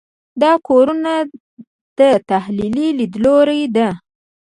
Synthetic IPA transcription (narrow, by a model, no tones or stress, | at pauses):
d̪ɑkoɾuna | d̪̥ət̪ahlililid̪loɾajd̪a